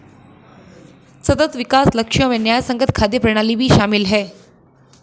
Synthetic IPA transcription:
sət̪ət̪ʋikasləkʂəʋẽnjajsəŋɡət̪kʰad̪jəpɾəɽ̃aliːʋʱiːɕamilɦɛ

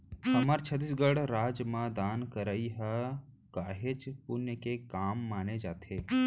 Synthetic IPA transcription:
hɐmaːɾt͡ʃʰɐt̪isɡəɽɾaːd͡ʒjmãd̪aːnkəɾəiɦɛ | kaːɦet͡ʃpʊnjəkekaːmːaːned͡ʒaːt̪ʰeː

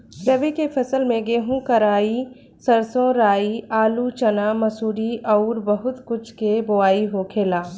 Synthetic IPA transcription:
pɾɐʋikepʰɐsəlmẽɡeːɦũkɐɾaːi | sɐɾsõɾaːiaːlut͡ʃɐnaːmɐsuːɽiʔɐʊɾbɐɦʊt̪kʊt͡ʃʰkeboaːiɦoːkʰeːlaː

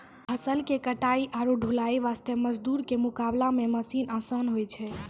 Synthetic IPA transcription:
pʰəsəlkekəʈaiʔaɾuɖʱulaiʋast̪eməd͡ʒd̪uɾkemukablameməsinəsənɦojt͡ʃʰɛ

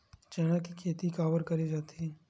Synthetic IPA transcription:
t͡ʃɛːɽ̃akikʰeːt̪ikaːʋəɾkɐɾid͡ʒaːt̪iɛ

